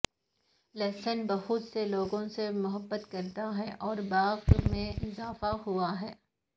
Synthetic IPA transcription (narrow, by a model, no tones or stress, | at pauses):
lɛːsənbɐɦut̪seloːɡõsemʊɦəbːət̪kɐɾt̪aɦɛʔɔːɾbaːʁmẽɪzaːfaɦuaɦɛː